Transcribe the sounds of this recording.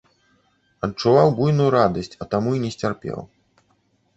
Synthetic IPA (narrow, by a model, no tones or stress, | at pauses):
ɐtt͡ʂːuvawbujnujuɾad̪ɐsʲt͡sʲɐt̪amuinʲɛsʲt͡sʲarpʲɛ̰w